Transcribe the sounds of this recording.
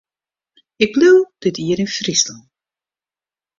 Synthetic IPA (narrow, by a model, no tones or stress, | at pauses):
ɪk̚bluwd̥ɪtiːəɾɪnfrisə